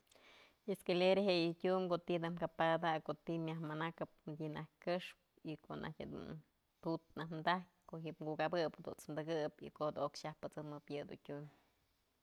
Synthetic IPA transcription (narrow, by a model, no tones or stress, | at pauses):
eskeleɾeɦeʔjitʲumkoʔt̪id̪ɨmkapaad̪akoʔt̪imjahmanakɨp̚mɨdʲinahkɨʂp̚ | ikoʔnʔa̰hkʲed̪ṵn | t̪ut̪̚nahnd̪ak̚koʔɦiʔpŋɡuʔkabɨphad̪ṵnt͡smd̪ɨɡɨpḭkohd̪uokʃahpɨt͡sɨmɨpjɨd̪ṵtʲum